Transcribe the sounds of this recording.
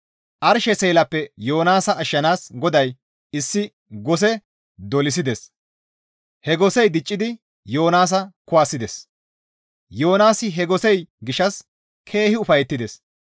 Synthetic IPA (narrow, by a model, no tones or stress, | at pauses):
ʔɐɾʃɛseːlɐpːɛjoːnaːsɐːʃːɐnaːsɡɔd̪ɐj | ɪsːɪ | ɡɔs̬ɛ | d̪ɔlɪs̬ɪd̪ɛs | hɛɡɔsɛjd̪ɪt͡ʃʼːɪd̪ɪ | jo̞ːnaːs̬ɐkʊaːsɪd̪ɛs | jo̞ːnaːsɪɦɛɡɔsɛjɡɪʃɐs | kʰe̞ːhɪʊfɐjɛt̪ːɪd̪ɛs